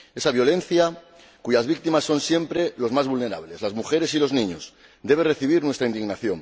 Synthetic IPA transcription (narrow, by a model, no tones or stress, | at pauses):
e̞saβjo̞lẽ̞n̟θja | kuʝazβik̚t̪imasːo̞nsje̞mpɾe̞lo̞zmazβulne̞ɾa̰βle̞zlazmuxe̞ɾe̞silo̞znĩɲo̞s | d̪e̞β̞e̞re̞θiβ̞iɾnwe̞st̪ɾaind̪iɣnaθjo̞ŋ